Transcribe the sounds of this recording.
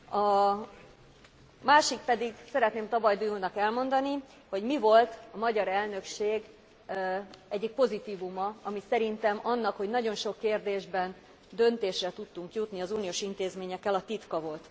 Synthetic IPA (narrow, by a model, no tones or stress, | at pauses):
ɒ | maːʃik̚pɛd̪iɡsɛɾɛt̪neːmt̪ɒbɒjd̪ujunɒkɛlmo̞nd̪ɒni | ho̞ɟmivo̞lt̪ɒmɒɟɒɾɛlnø̞kʃeːɡ | ɛɟːik̚po̞zit̪iːvumɒɒmisɛɾint̪ɛmɒnːɒkho̞ɟnɒɟo̞nʃo̞kːeːrd̪eːʒbɛn | d̪ø̞nt̪eːʃrɛt̪ut̪ːuŋkjut̪niɒzuːnioːʃint̪eːzmeːɲɛkːɛlɒt̪it̪kɒvo̞lt̪